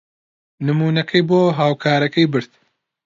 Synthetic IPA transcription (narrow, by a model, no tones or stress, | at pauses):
nɨmuːnɐkʰɐjboːɦaːwkʰaːɾɐkɐjbɨɾt̪̚